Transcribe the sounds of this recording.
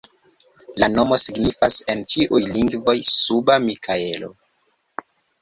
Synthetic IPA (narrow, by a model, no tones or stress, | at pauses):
lano̞mo̞siɡnifase̞nt͡ʃiʔujliŋɡvo̞jsubamikʰae̞lo̞̰